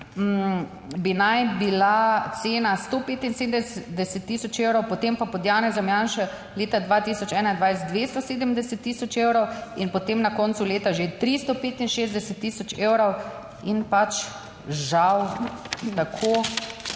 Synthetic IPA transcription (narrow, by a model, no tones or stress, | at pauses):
binajbilat̪seːnast̪opeːt̪inseːd̪d̪sd̪ɛsɛt̪ːiːsɔt͡ʃewɾɔwpɔt̪empapɔd̪jaːnɛzamjaːnʃɛ | leːt̪ad̪ʋaːt̪isɔt͡ʃɛːnaind̪ʋajsd̪ʋest̪ɔseːd̪əmd̪ɛsɛt̪ːiːsɔt͡ʃeːwɾɔwinpɔt̪emnakɔːntsuleːt̪aʒet̪ɾist̪ɔpeːt̪inʃeːzd̪ɛsɛt̪ːiːsɔt͡ʃeːwɾɔw | inpat͡ʃ | ʒawt̪akʰo